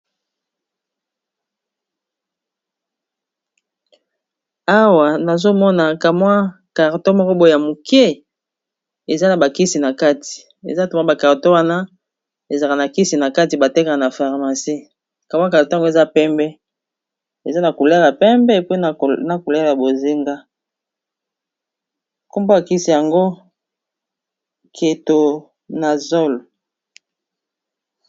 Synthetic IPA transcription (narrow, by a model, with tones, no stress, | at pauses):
a˦wa˨na˨zo˦mɔ˦na˨ka˨mwa˦ka˨ʁto˦mɔ˦kɔ˦bo˦jja˨mu˨ke˦ | e˨za˦na˨ba˨ki˦si˨na˨ka˦ti̥˨ | ḛ˨za˦˨to˨ma˦ba˨ka˨ʁto˦wa˦na˦ | e˨za˨ka˨na˨ki˦si˨na˨ka˦ti˨ba˨te˦ka˨na˨fa˨ʁma˨si˦ | ka˨bka˨o˨to˦˨˦ɡo˦e˨za˦pɛ˦mbɛ˦ | e˨za˦na˨ko˨la˦la˨pɛ˦mbɛ˦po˦˨na˨ko˨la˦la˨bo˨zi˦ŋɡa˦ | ko˦mbo˦a˨ki˦si˨ja˨ŋɡo˦ | kʰe˨to˨ | na˨zo˦lo˨